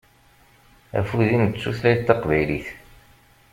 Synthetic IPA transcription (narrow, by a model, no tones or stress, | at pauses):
æ̰fuðinət͡sːuθlæjt̪ːɑqvæjliθ